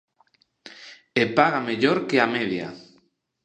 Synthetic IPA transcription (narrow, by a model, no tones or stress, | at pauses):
epaɣameʎoɾkeameðja̰